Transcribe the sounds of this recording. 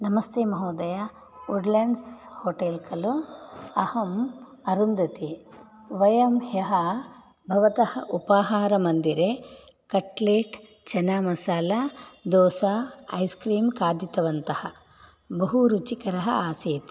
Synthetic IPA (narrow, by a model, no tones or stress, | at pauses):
nɐmɐst̪eːmɐɦɐːd̪ɐjɐ | uɖlɐɳɖshoːʈeːlkɐluɐhɐm | ɐɾund̪ɐt̪i | ʋɐjɐmhjɐɦɐ | bʱɐʋɐt̪ɐhɐ̰ʔupaːɦaːɾɐmɐnd̪iɾe | kɐʈleːʈ | t͡ʃɐnamɐsaːlɐd̪ɔːsaɐ̰jskɾiːmkaːd̪it̪ɐʋɐnt̪ɐhɐ | bɐɦuɾut͡ʃikɐɾɐɦɐaːsiːt̪i̥